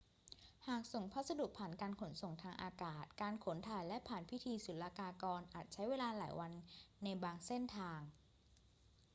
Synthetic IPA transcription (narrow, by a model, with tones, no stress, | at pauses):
haː˨˩k̚so˨˩ŋpʰa˦˥t̪̚sa˧du˨˩k̚pʰaː˨˩nkaː˧nkʰo˩˦nso˨˩ŋt̪ʰaː˧ŋʔa̰ː˧kaː˨˩t̪̚kaː˧nkʰo˩˦nt̪ʰaː˨˩jlɛ˦˥pʰaː˨˩npʰi˦˥t̪ʰiː˧su˨˩˦llaː˧kaː˧kɔː˧nʔaː˨˩t̪̚t͡ɕʰa˦˥jweː˧laː˧laː˩˦jwa˧nːa˧jbaː˧ŋse˥˩nt̪ʰaː˧ŋ